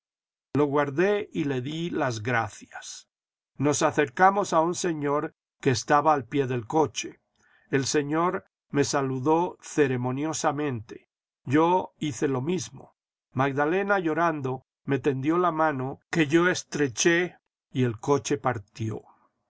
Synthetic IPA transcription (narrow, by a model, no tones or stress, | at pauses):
lo̞ɣwaɾðeile̞ðilazɣɾaθjas | no̞saθe̞ɾkamo̞saunse̞ɲo̞ɾ | kke̞ːst̪aβaːlpje̞ðe̞lko̞t͡ʃe | else̞ɲo̞ɾ | me̞saluðo̞θe̞ɾe̞mo̞njo̞samẽ̞nt̪e̞̥ | ʝo̞iθe̞lo̞mizmo̞̰ | maɡðale̞naʝo̞ɾand̪o̞ | met̪e̞nd̪jo̞lamãno̞ke̞ʝo̞e̞st̪ɾe̞t͡ʃe | ie̞lko̞t͡ʃe̞paɾt̪jo̰